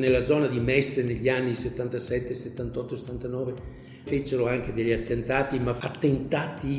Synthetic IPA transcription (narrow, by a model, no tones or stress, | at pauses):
nelːad̪zɔːnad̪imɛst̪ɾeneʎːianːiset̪ːant̪asɛt̪ːeset̪ːant̪ɔt̪ːose̥t̪ːant̪anɔːve | fet͡ʃeɾoaŋk̟ed̪eʎːiat̪ːent̪aːt̪imaat̪ːent̪aːt̪i